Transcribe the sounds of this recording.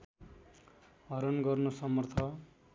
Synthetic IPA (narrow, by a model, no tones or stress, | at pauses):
ɦʌɾʌnɡʌrnosʌmʌrt̪ʰʌ